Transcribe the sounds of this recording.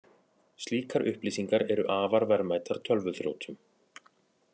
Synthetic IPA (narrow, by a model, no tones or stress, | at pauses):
st̪liːkʰaɾʔʏ̰hpliːsiŋkaɾɛɾʏʔaːvaɾvaɾmaːjt̪aɾ̥t̪ʰœlvʏθɾjo̰wt̪ʰʏm